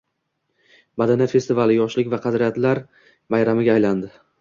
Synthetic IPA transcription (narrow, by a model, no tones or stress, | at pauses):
bad̪anafe̞st̪ɪvalɪjɒʃlɪkʲvaqʰɑd̪ɾijat̪laɾ | majɾamɪɡʲaːjland̪ɪ